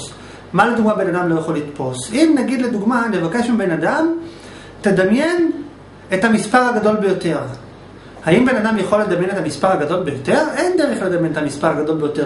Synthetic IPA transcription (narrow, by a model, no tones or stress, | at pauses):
maled̪uɡmabe̞nad̪amlo̞jaχo̞litpo̞simnaɡid̪le̞d̪uɡmane̞vake̞ʃmibe̞nadam | te̞d̪amje̞n | ethamispaʁhaɡado̞lbe̞jo̞te̞ʁ | haimbe̞nadamjaχo̞led̪amje̞net̪amispaʁaɡado̞lbe̞jo̞t̪e̞ʁe̞nd̪e̞ʁeχle̞d̪amjenet̪amispaʁhaɡado̞lbejo̞t̪eʁ